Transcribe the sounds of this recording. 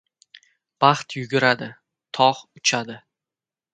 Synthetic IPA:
b̥ɑχt̪jʊɡʲʊɾad̪ɪ | t̪ʰɒχʊt͡ʃʰad̪ɪ

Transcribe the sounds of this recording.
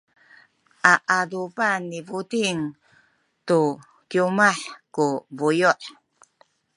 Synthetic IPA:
ʔaʔadubanivudiŋ | tu | kjumaħkuvujuʔ

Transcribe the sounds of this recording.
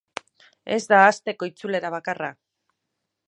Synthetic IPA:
e̞̰zd̪aːst̪e̞ko̞it͡sule̞ɾaβ̞akara

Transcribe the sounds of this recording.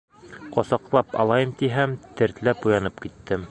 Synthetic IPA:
qŏsɑqlˠɑpɑ̰lˠɑjɤmt̪iɦæmt̪ɘ̆ɾt̪læpujɑnɤpkit̪ːɘm

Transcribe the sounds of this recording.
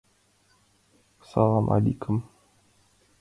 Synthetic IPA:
salamʔa̰likʊm

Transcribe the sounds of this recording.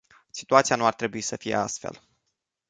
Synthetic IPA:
si̥t̪uat̪sianuart̪ɾe̞buisəfije̞̰a̰st̪fe̞̰l

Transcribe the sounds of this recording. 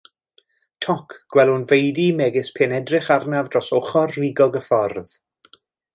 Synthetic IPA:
tʰɔkʰɡ̥wɛlˠʊnvejdimɛɡɪspʰeːnɛdrɪχarnavdrɔsɔχɔrːiɡɔɡəfɔrð

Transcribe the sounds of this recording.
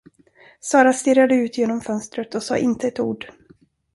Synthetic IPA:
sɑːɾast̪ɪrːad̪əʉ̟ːt̪ʰjeːnɔmfœnst̪ɾət̪ɔsɑ̰ːʔɪnt̪əɛt̪uːɖ

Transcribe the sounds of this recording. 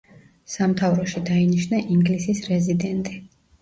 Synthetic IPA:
samt̪ʰavɾɔʃid̪ainiʃnaʔiŋɡlisisɾɛzid̪ɛnt̪ʼi

